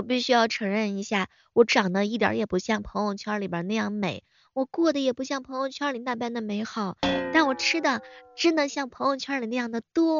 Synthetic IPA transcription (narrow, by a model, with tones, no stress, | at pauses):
wɔ˨˩p̬i˥˩ɕy˥jɑ˥˩ʊʈ͡ʂʰɤ˧˥ŋɻə˥˩ni˧˥ɕja˥˩ | wɔ˧˥ʈ͡ʂɑ˨˩ŋd̪ə˦i˥˩t̪̬jə̰˧˥jɛ˨˩pu˧˥ɕjɑ˥˩ŋpʰɤ˧˥ŋjʊ˥˧ŋt͡ɕʰjɑ˥li˨˩bə˞˨˩˥na˥˧jɑ˥˩ŋme˨˩˦ɪ | wɔ˨˩kwɔ˥˩d̪ə˩jɛ˨˩pu˧˥ɕjɑ˥˩ŋpʰɤ˧˥ŋjʊ˥˧˩ŋt͡ɕʰjɑ˥li˨˩na˥˧pa˥˩nd̪ə˨me˧˥ɪxɑ˨˩˦ʊt̪a˥˩nwɔ˨˩ʈ͡ʂʰɻ̩˥d̪ə˨ʈ͡ʂɻ̩˥nə˧ɕjɑ˥˩ŋpʰɤ˧˥ŋjʊ˥˧ŋt͡ɕʰjɑ˥li˨˩na˥˧jɑ˥˩ŋd̪ə˩t̪wɔ˥